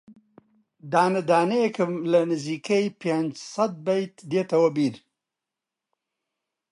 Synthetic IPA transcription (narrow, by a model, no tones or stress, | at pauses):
d̪aːnəd̪aːneekəmlɐnɨzikejpend͡ʒsɐt̪̚bajt̪d̪et̪ɐwɐbiɾ